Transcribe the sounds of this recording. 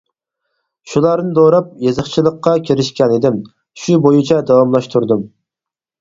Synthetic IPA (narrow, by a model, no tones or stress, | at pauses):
ʃulˠɑɾnɨd̪oɾɑp̚jezəχt͡ʃʰilˠəqːɑkʲʰeɾɪʃkʲɛnɪd̪ɪm | ʃubojit͡ʃʰɛd̪ɑwɑmlˠɑʃt̪ʰuɾd̪um